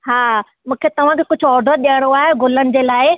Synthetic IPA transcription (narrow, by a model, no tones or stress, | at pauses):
ɦaː | mũːkʰet̪ɐʋ̤ãkʰeːkʊd͡ʑʱʊɔːɾɖəɾɗijəɽ̃oaːɦeɡʊlənɪ̆d͡ʑeːlaːɪ